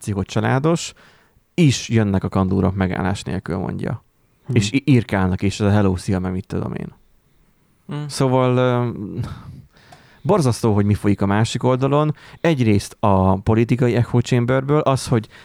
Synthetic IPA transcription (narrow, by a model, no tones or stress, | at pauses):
t̪sikɦot͡ʃɒla̰ːd̪o̞ʃ | iʃjønːɛkɒkɒnd̪uːɾokmɛɡa̰ːlːa̰ːʃnḛːlkylmo̰ɲɟɒ̰ | eːʃirkaːlnɒkeːʃɛzɒɦɛloːsiɒmɛɡmit̪ːud̪o̰mʔḛːn | soːvɒl | bo̞rzɒst̪oːɦo̞ɟmifo̞jikɒmaːʃiko̞ld̪ɒlo̞nɛɟreːst̪ɒpo̞lit̪ikɒjiɛkhoːt͡ʃeːmbørbøːlʔɒsho̞ɟ